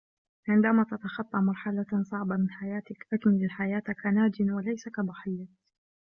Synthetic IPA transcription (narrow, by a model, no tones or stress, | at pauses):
ʕɪnd̪aːmat̪at̪axɑt̪ˤːɑmɑɾˤħalasˤɑʕbamɪnħajaːt̪ɪkʔak̪mɪlɪlħajaːt̪akanaːd͡ʒɪnwalajsakabɑħɪjːa